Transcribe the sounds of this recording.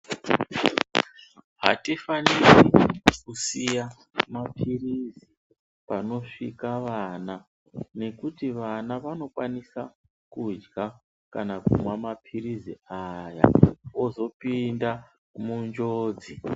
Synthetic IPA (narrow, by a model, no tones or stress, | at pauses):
ɦa̰tifanirikusija | mapʰirizi | pano̞ʂḭkaʋana | ne̞kutiʋanaʋano̞kwanisa | kud͡ʒɡa | kanakumwamapʰiriziaja̰ozo̞pinda | mund͡ʒoːd͡zi